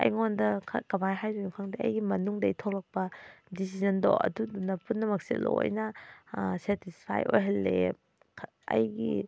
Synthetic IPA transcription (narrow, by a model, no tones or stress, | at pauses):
ɐ̰jŋondɐkʰɐ̰kɐbajɦajdunukʰaŋdɐʔɐ̰jɡimɐnuŋdɐitʰolɐk̚pɐdis̬izɐndo̰ʔɐ̰dudunːɐpunːɐmɐk̚sḭlo̰jnɐ | setispʰa̰jojɦɐlːḛ | kʰ | ɐ̰jɡi